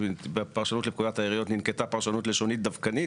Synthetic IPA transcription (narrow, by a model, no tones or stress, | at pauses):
bpaʁʃanut̪lep̚kud̪at̪aiʁijot̪ninket̪apaʁʃanut̪leʃonit̪̚d̪avkani